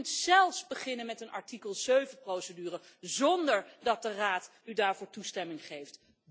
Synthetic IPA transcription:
ntz̥ɛlˠfsbəχɪnənmɛtənʔɑ̰ɹtikəlˠz̥øɥvənprowsədyːrə | zɔndəɹdɑt̚dəraːtydaːɹvʊːɹtustɛmɪŋχejft

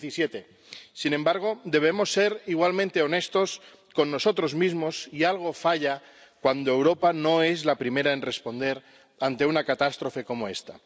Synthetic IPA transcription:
θisjet̪e̞ | sinẽ̞mbaɾɣ̞o̞d̪e̞β̞e̞mo̞sːe̞ɾiɣwalmẽnt̪e̞o̞ne̞st̪o̞s | ko̞nːo̞so̞t̪ɾo̞zmizmo̞sialɣ̞o̞faʎa | kwand̪oe̞wɾo̞pano̞e̞zlapɾime̞ɾaenre̞spo̞nd̪e̞ɾ | ant̪e̞unakat̪ast̪ɾo̞fe̞ko̞moe̞̰st̪a̰

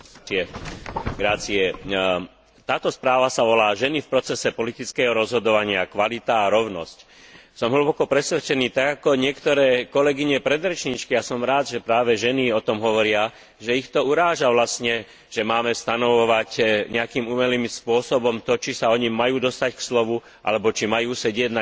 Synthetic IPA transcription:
ɛ | ɡɾaːt͡siɛ | t̪aːt̪ɔspɾaːʋasaʋɔlaːʒɛnifpɾɔt͡sɛsɛpɔlit̪it͡skɛːɦɔɾɔzɦɔd̪ɔʋaɲɪakʋalit̪aːɾɔʊnɔ̰sc | sɔmɦl̩ubɔkɔpɾɛsʋɛt͡ʃɛniːt̪aɡakɔɲɪɛkt̪ɔɾɛːkɔlɛɡiɲɛpɾɛd̪ɾɛt͡ʃɲit͡ʃkijasɔmɾaːd̪ʒɛpɾaːʋɛʒɛniɔt̪ɔmɦɔʋɔɾɪa | ʒɛixt̪ɔuɾaːʒaʋlasɲɛ | ʒ̥ɛmaːmɛst̪anɔʋɔʋacɲɛakiːmumɛliːmspʊɔsɔbɔmt̪ɔt͡ʃisaɔɲimajuːd̪ɔst̪ackslɔʋu | ʔa̰lɛbɔt͡ʃimajuːsɛɟɪɛɟna

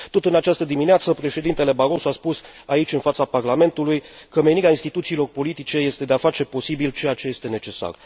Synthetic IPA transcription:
t̪o̞t̪ɨnat͡ʃast̪əd̪imineat̪səpɾe̞ʃe̞d̪int̪e̞le̞baɾo̞soaspusait͡ʃʲɨnfat̪saparlame̞nt̪ulujkəme̞niɾeainst̪it̪ut̪siːlo̞rpo̞lit̪it͡ʃe̞je̞st̪e̞d̪eafat͡ʃe̞po̞sibilt͡ʃe̞jat͡ʃe̞je̞st̪e̞ne̞t͡ʃe̞sa̰r

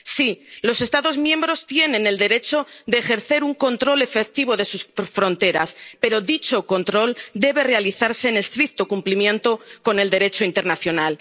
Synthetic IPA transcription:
silo̞se̞st̪aðo̞zmje̞mbɾo̞st̪je̞nẽ̞ne̞ld̪e̞ɾe̞t͡ʃo̞ðe̞ːxe̞ɾθe̞ɾuŋko̞nt̪ɾo̞le̞fek̚t̪iβo̞ðe̞susfɾo̞nt̪e̞ɾa̰spe̞ɾo̞ðit͡ʃo̞ko̞nt̪ɾo̞ld̪e̞βe̞re̞aliθaɾse̞ːne̞st̪ɾik̚t̪okumplimjẽ̞nt̪o̞ko̞ne̞ld̪e̞ɾe̞t͡ʃo̞int̪e̞ɾnaθjo̞nal

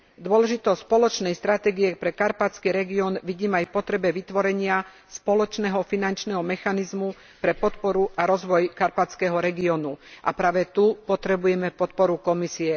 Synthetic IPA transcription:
d̪ʊɔlɛʒit̪ɔspɔlɔt͡ʃnɛjst̪ɾat̪ɛːɡiɛpɾɛkaɾpat͡skiːɾɛɡiɔːnʋiɟiːmajpɔt̪ɾɛbɛʋit̪ʋɔɾɛɲɪa | spɔlɔt͡ʃnɛːɦɔfinant͡ʃnɛɦɔmɛxanizmu | pɾɛpɔt̪pɔɾuʔaɾɔzʋɔjkaɾpat͡skɛɦɔɾɛɡiɔːnuʔa̰pɾaːʋɛt̪upɔt̪ɾɛbujɛmɛpɔt̪̚pɔɾukɔmisiɛ

